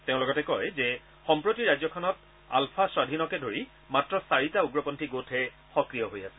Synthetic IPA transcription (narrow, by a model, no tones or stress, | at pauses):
teʊ̃lɔɡɔtɛkɔjzɛ | xɔmpɹotiɹazɔkʰɔnɔt̚ | a̰lpʰaswadʱinɔkɛdʱoɹi | matɹɔsaɹitauɡɹɔpɔntʰiɡotʰɛ | xɔkɹijɔɦojasɛ̥